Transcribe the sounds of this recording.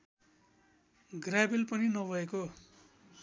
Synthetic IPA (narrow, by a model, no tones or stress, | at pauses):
ɡrabelpʌninʌbʱʌeko